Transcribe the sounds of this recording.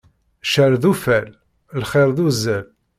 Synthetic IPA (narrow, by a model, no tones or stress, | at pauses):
ʃəɾðufæl | lχɪɾˤðuzːæl